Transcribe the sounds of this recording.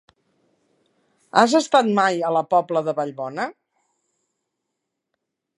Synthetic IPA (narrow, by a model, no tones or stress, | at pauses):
azəst̪at̪majələpɔbləðəβəʎβɔnə